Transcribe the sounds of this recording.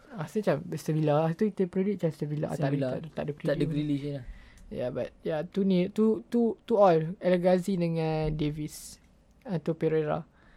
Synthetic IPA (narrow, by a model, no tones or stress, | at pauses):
ast̪ət͡ʃambəst̪əbilaast̪uit̪əpɾedit̚t͡ʃamst̪əbila̰ʔa̰aat̪a̰ʔdəkɾiadəkɾilisənaja̰ba̰t̪̚jat̪unit̪ut̪ut̪uɔlɛləɡasidəŋãndevis | at̪opeɾeɾa̰